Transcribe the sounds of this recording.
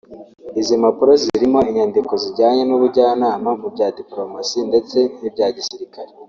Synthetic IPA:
izimapuɾo̞ziɾimo̞iɲandiko̞ziɟaːɲe̞nuβuɟaːnaːmamub̚ɟaːdiplo̞masinde̞t͡se̞nibɟaːɟisiɾikaɾe

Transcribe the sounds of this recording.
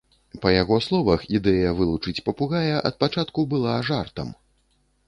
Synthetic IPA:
pɐjaɣɔslˠɔvɐxid̪ɛjɐvɨlˠut͡ʂɨt͡sʲpɐpuɣajɐʔɐt̪̚pat͡ʂat̪kubɨlˠaʐart̪ɐ̰m

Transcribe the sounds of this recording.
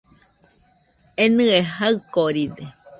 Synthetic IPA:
enɨ̃eɦaɨkoɾide

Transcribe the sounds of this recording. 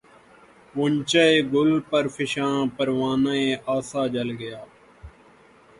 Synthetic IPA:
ʊnt͡ʃəeːɡʊlpəɾfʰɪʃãːpəɾʋaːnaẽːʔaːsaːd͡ʒəlɡəjaː

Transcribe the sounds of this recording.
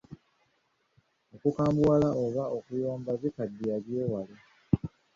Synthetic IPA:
okukaːmbuwalaoβao̞kujoːmbazikadːialjeːwale

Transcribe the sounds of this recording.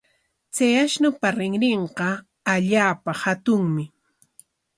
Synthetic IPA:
t͡sejaʃnʊpaɾɪŋɾeɴqɑ | aʎaːpahat̪ʊŋmɪ

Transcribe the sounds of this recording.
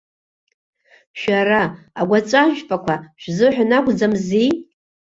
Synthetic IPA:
ʃaɾaː | ɡʷat͡ʃʷʼaʒpʼakʷʰaʃᶣzɨħʷᶣanaɡʷʼd͡zamzi

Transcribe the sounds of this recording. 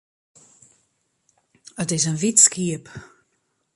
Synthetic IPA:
ətɪsənvitskiəp

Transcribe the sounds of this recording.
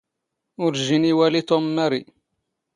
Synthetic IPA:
ʊɾʒiniwælit̪omnæɾi

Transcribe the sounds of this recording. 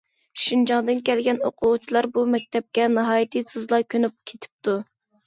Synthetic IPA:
ʃind͡ʒɑŋd̪ɨnkʲɛlɡʲɛno̰qʰʊʁʊt͡ʃʰilˠɑɾbumɛk̚ʲt̪ʰɛp̚kʲɛnɨɦɑːjit̪ʰɨsʰɨzlˠɑkʲønyp̚kʲʰet̪ʰɪ̥p̚t̪ʰu

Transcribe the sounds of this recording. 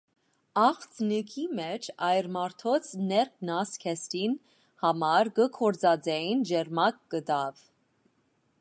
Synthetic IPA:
ɑχt͡snəkʰimɛt͡ʃʰɑjɾmɑɾt̪ʰɔt͡sʰnɛɾk̚ʰnɑskʰɛsɾin | hɑmɑɾɡəkʰɔɾd͡zɑd͡zɛjind͡ʒɛɾmɑk̚ːəd̪ɑv

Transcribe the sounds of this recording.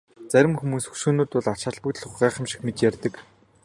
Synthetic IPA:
t͡sæɾʲɪ̆mxumuːsɵ̥xʃoːnoːt̪ʊɮat͡ɕăɮpɵ̆kt̪̆ɮχʊχɢæːχə̆mʃĭ̥xmet͡ɕ̪jærʲt̪ə̆k

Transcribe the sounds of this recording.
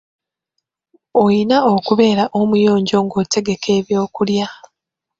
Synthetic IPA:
ojinaokuβe̞ːɾaʔo̞mujo̞ːɲɟo̞ːŋɡo̞ːte̞ɡe̞kʰe̞ːβjo̞ːkulja

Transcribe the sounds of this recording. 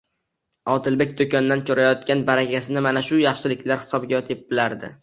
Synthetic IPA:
ɒt̪ʰɪlbe̞k̚ʲd̪okʰʲɒnd̪ankʰʲɵɾajɒt̪̚kʲanbaɾakʲasɪnɪmanaʃʊjɑχʃɪlɪkʲlaɾhɪ̥sɒbɡʲaɒt̪ʰeɪp̚bɪlaɾd̪ɪ

